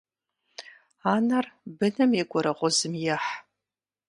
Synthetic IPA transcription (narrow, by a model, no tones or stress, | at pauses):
aːnɐrbɨnɨmɛɡʷɔɾɐʁʷʊzɨmjɛħ